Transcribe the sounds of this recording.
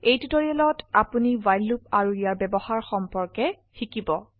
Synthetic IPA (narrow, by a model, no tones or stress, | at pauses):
ejtutoɹiɛlɔtapunivajlːup̚aɹuijaɹbɛbɔhaɹxɔmpɔɹkɛ | xikibɔ